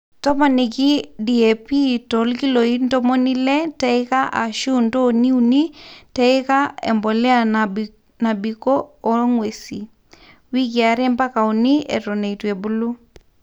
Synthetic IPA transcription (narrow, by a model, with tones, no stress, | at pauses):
tɔ˦ma˨ni˨ki˦di˨e˨pi˦tɔ˨lki˦lo˨i˦ndo˦mo˦ni˦lɛ˦tɛ˦ɪ˦ka˦ʔa˨ʃu˦˨ndo˦˨ni˦u˨ni˦tɛ˦ɪ˦ka˦ɛ̰˨mbɔ˨lɛ˦a˨ | na˨bi˨kɔː˦ŋwe˨si˨ | wi˦k̬i˨a˨ɾe˦mba˦ka˨u˨ni˦ɛ̰˨tɔ˨ne˨i˨twe˨bu˦lu˦